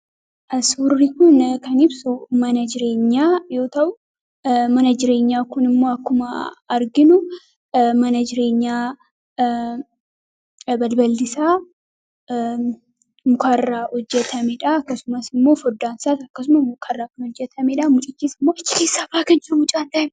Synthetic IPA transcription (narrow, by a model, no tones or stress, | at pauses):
ʔɐsuːrːikʊnkɐnɪbsʊmɐnɐd͡ʒɪɾe̞ːɲːaːjo̞ːt̪ɐʔʊ | mɐnɐd͡ʒɪɾe̞ːɲːaːkʊnɪmːo̞ːɐkːʊmɐːɾɡɪnʊ | mɐnɐd͡ʒɪɾe̞ːɲːaː | bɐlbɐld̪ɪsaː | mʊkʰɐrːaːhɔd͡ʒːɛt̪ʰɐmɛᶑɐɐkːɐsʊmɐsɪmːo̞ːfɔd̪ːaːnsaːt̪ɐkːɐs̬ʊmɐsmʊkʰɐrːaːkʊnɔd͡ʒːɛt̪ʰɐmɛᶑɐmʊt͡ʃʼɪt͡ʃːiːsɪmːo̞ːɪt͡ʃːɪ̥ke̞ːsːaːbaːkɐɲːɐmʊt͡ʃʼaːnt̪ɐʔɪm